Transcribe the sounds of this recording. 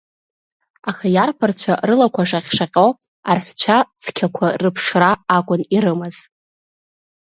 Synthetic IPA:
axajarpʰart͡ɕʷʰa̰rɨlakʷʰaʂaχʲʂaqʲʼow | arħʷᶣt͡ɕʷʰat͡sʰkʲʰakʷʰarɨpʰʂraːkʷʼʊniɾɨmɨz̥

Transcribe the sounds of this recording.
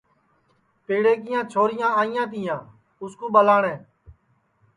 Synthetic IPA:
peːɽeːkɪjãːt͡ʃʰoːɾɪjãːaːɪjãːt̪̬ɪjãː | ʊskuːɓəlaːɳẽː

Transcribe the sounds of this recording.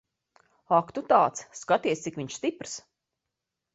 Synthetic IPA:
akt̪ut̪aːt̪sːkat̪iɛst̪ikʋiɲʃst̪ipɾs

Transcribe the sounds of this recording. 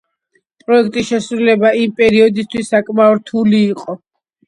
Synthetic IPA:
pʼɾɔɛkʰt̪ʼisʃɛsɾulɛbaimpʼɛɾiɔd̪ist̪ʰwisːakʼmaɔɾt̪ʰuliːqʼɔ

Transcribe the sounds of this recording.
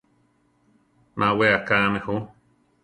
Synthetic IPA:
nʔãweakamehu

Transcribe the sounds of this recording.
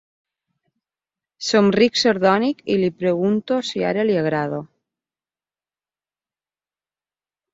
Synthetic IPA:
somriksoɾðɔnikilipɾeɣ̞unt̪osia̰ɾelieɣ̞ɾað̞o

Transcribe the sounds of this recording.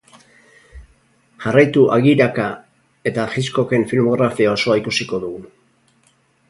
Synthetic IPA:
ʝarajt̪uʔaɣiɾaka | e̞t̪axisko̞ke̞ɱfilmo̞ɣɾafiao̞so̞aikusiko̞ðuɣu

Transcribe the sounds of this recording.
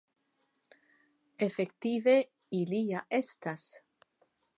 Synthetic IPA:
efekt̪ive | iliaʔest̪as

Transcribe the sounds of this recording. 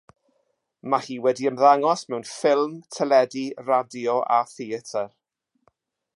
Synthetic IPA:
mahiːwɛdiəmðaŋɔsmɛwnfɪlˠmtʰəlˠɛdiradjɔʔa̰θiətʰər

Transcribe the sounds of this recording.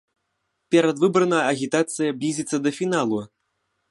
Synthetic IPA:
pʲɛɾɐd̪vɨbɾɐnɐjɐɐɣʲit̪at̪sɨjɐblʲizʲit̪sːɐd̪ɐfʲinalˠu

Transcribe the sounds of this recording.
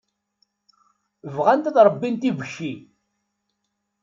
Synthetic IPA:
vʁant̪æðɾˤəbːint̪ivəʃːi

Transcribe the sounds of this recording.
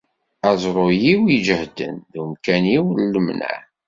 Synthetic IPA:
æzˤɾˤojiwid͡ʒəhd̪ə̰nðumkæniwllːəmnæ̰

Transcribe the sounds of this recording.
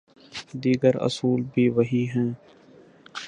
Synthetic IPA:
d̪iːɡəɾə̰suːlbʱiːʋəɦiːɦɛ̃ː

